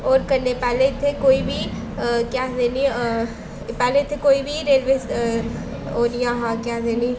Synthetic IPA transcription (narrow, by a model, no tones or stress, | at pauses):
ɔːɾkənːepɛːleɪt̪ʰːekoːiːbʱiː | kɛːd̪eːni | pɛːleɪt̪ʰːekoːiːbʱiːɾeːlʋeːs | oːnijãːɦãːkɛd̪eːniː